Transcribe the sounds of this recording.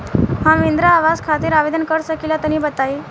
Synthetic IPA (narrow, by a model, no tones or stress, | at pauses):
hãʋind̪ɾaːʋad͡zkʰat̪iːɾaʋed̪ənkəɾsəkilat̪əñiːbət̪ai